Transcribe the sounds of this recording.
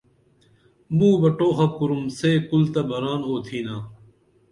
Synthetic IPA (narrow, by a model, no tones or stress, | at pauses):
mũːbɐʈoːxɐp̚kuɾumseːkult̪ɐbɐɾaːnoːt̪ʰiːnaː